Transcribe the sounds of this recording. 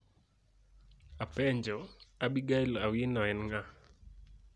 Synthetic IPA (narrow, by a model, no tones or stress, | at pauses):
apɛɲd͡ʒɔabiɡailawɪnɔɛnŋa